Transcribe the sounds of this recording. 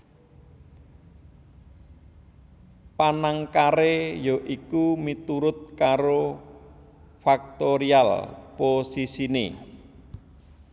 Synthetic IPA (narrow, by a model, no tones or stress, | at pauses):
panaŋkaɾejɔʔikumit̪uɾʊt̪̚kaɾo | fak̚t̪oɾia̰lposisinḛ